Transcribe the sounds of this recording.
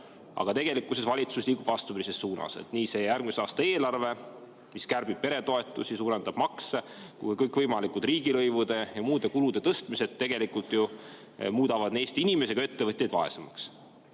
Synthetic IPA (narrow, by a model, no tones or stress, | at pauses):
ɑ̰ɡ̥ɑt̪e̞ɡ̥e̞likːˑuse̞svɑlʲit̪suslʲiːku̥vɑst̪upiɾisesːuːnɑ̰sḛt̪niːse̞jærɡ̥miseɑːst̪ɑeːlɑrve̞ | miskærb̥ib̥̚pe̞ɾe̞t̪o̞e̞t̪ːˑusisuːɾe̞nd̪ɑb̥mɑkse | kṵikɤjkˑvɤjmɑlikˑult̪riːɡilɤjvud̪̥e̞jɑmuːd̪e̞kulud̪̥e̞t̪ɤst̪mise̞d̪t̪ːe̞ɡ̥e̞likult̪ˑju | muːd̪ɑvɑd̪neːst̪iinʲime̞seɡ̥ɑe̞t̪ːe̞vɤt̪ʲˑːed̪vɑe̞̰semɑks